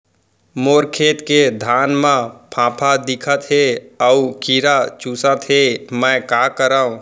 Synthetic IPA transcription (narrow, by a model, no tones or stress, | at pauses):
moːɾkʰeːt̪ked̪ʱaːnmẽpʰãːpʰad̪ɪkʰət̪ɦeəukiɾat͡ʃusət̪ɦemə̃kakəɾə̃